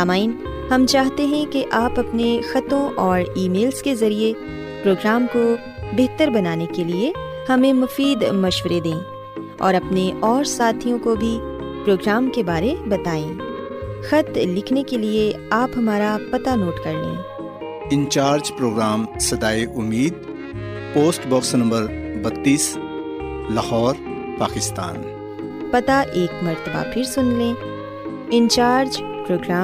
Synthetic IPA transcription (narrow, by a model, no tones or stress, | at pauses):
aːmaːiɪn | hɐmt͡ʃaːɦt̪eɦɛ̃keʔaːpɐpnexɐt̪õʔɔːɾiːmeːlskezɐɾie | pɾoːɡɾaːmko | beɦt̪əɾbɐnaːnekelie | hɐmẽmʊfiːd̪mɐʃʋɾed̪ẽː | ɔ̰ːɾɐpneʔɔːɾsaːt̪ʰijõkobʱi | pɾoːɡɾaːmkebaːɾebɐt̪aːẽː | xɐt̪lɪkʰnekelieaːpɦɐmaːɾapɐt̪anoːʈkɐɾlḛ̃ː | ɪ̃nt͡ʃaːɾd͡ʒpɾoːɡɾaːmsɐd̪aːeʔʊmːiːd̪ | poːsʈbɔːksnɐ̃mbəɾbɐt̪ːiːs | lɐhɔːɾ | paːkɪst̪a̰ːn | pɐt̪aʔeːkmɐɾt̪əba̰pʰɪɾsʊnlẽː | ɪ̃nt͡ʃaːɾd͡ʒ | pɾoːɡɾaː